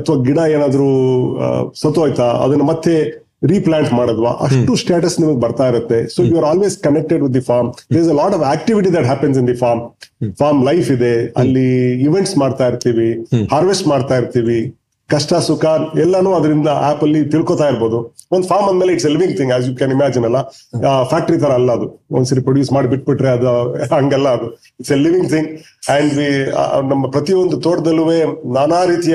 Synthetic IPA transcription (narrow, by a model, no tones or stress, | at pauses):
ɐt̪ʰʋaɡiɽɐeːnaːd̪ɐɾu | sɐt̪ojt̪aɐ̰d̪ɐnːɐmɐt̪ːe | ɾiːplaːɳʈmaːɽod̪ʋa̰ʔɐ̰ʂʈusʈeːʈɐsːnimɐɡebɐɾt̪aːjiɾut̪ːe̞soːjuːaːɾaːlʋeːzkɐnek̚ʈeɖʋid̪ːifaːɾmd̪eɾzelɔːʈɐʋæːk̚ʈiʋiʈid̪æʈɦæːpens̬ĩnd̪ifaːɾmfʰaːɾmlɐjfid̪e̞ɐ̰lːiiʋeɳʈsmaːɖt̪aːiɾt̪iːʋihaːɾʋesʈmaːɖt̪aːjiɾt̪iːʋi | kɐʂʈasukaːɾɛlːɐnuːɐd̪ɐɾind̪ɐʔaːpɐlːit̪iɭkoːt̪aːjiɾboːd̪u | ond̪upʰaːɾmɐnd̪meːleiʈseliʋiŋɡt̪ʰiŋɡɛːzjukɛnimæːd͡ʒinɐlːɐpʰæːk̚ʈɐɾit̪ʰɐɾɐːlːɐɐd̪uo̰nd̪sɐɾipɾoɽjuːsmaːɽibiʈ̚biʈɾeɐd̪uɐŋɡɛlːɐːd̪u | iʈseliʋĩŋɡt̪ʰĩŋɡ | ɛɳɖʋḭnɐmːɐpɾɐt̪iond̪ut̪oːʈɐd̪ɐlːuʋeːnaːnaːɾiːt̪ij